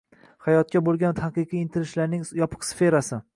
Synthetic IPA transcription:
hajɒt̪̚kʲabolˠɡʲant̪ʰaqɨqʰiɪnt̪ʰɪɾɪʃlaɾnɪŋjɒpʰɨ̥qsfe̞ɾasɪ

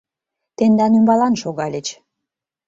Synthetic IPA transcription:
t̪end̪ɑnymbɑlɑnʃoɣɑlʲet͡ɕ

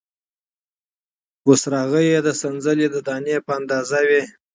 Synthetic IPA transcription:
wosɾɑɣəjed̪əsanzəled̪əd̪ɑnepəand̪ɑzawe

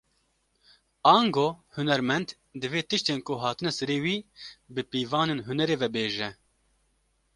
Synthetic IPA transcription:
ɑːŋɡoːhʊnɛɾmɛnd̪ | d̪ɨveːt̪ɨʃt̪eːnkʊɦɑːt̪ɨnɛsɛɾeːwiːbɨpiːvɑːneːnɦʊnɛɾeːvɛbeːʒɛ

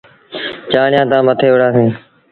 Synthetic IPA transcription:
t͡ʃaːɳɪjãːt̪ãːmət̪ʰeːʊɽaːsẽː

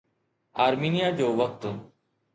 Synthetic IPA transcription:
aːɾmiːnɪjaːd͡ʒoːʋək̚t̪

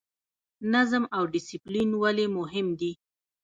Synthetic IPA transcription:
nazəmawɖɪsiplinwalemʊɦɪmd̪i

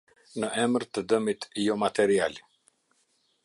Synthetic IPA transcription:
nəʔɛməɾt̪əd̪əmit̪jɔmat̪ɛɾial

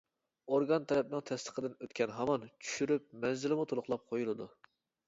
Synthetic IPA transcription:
oɾɡɑnt̪ʰɛlɛp̚nɨŋt̪ʰɛst̪ʰə̥qʰəd̪ɨnøt̪kʲʰɛnɦɑmɑnt͡ʃʰy̥ʃyɾyp̚mɛnzɪlɪmut̪ʰolˠʊχlˠɑp̚qʰojulˠɨd̪u

